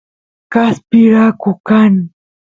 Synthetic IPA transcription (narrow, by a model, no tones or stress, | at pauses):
kaspɪɾakʊkan